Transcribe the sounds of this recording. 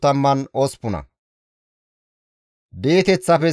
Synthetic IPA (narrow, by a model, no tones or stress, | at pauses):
t̪ɐmːɐnɔspʊnɐ̰ | d̪e̞ːt̪ɛt͡sːɐfɛ